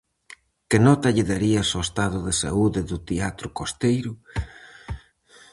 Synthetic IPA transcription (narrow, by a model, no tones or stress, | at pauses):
kɪnɔt̪ɐʎɪðaɾiɐsoest̪aðʊðɪsa̰uðɪðʊt̪eat̪ɾʊkost̪ejɾʊ